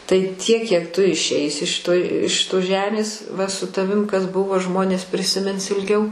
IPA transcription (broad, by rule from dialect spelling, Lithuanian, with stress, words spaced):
tɐɪ tʲiɛk kʲiɛk tʊ ɪʃʲˈɛɪsʲɪ ʃʲɪˈtoːj ɪʃ ˈʃʲɪtoːs ˈʒʲæːmʲeːs ʋɐ sʊ tɐˈʋʲɪm kɐs ˈbʊʋoː ˈʒmoːnʲeːs pʲrʲɪsʲɪˈmʲɪns ɪlʲˈɡʲɛʊ